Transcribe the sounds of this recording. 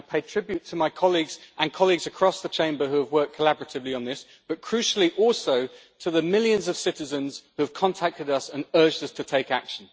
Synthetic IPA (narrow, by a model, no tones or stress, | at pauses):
ɪpʰeɪd̚tʰɹ̥ɪbjʉtʰəmaɪkʰɒliɡz̥ʔə̃nkʰɒliɡzəkʰɹ̥ɒsðət͡ʃʰẽɪ̃mbəɦʉəvwɜˑk̚kʰəlabəɹətɪvliə̃nðɪs | b̥ʌt̚kʰɹ̥ʉˑʃl̩ˠiʔɔˑlˠsəʊ | tʰəðəmɪljə̃nzəv̥sɪtɪzə̃nz̥hʉəv̥kʰɒ̃ntʰak̚tɪdʌsə̃nɜːd͡ʒdʌstʰətʰeɪkakʃə̃n̩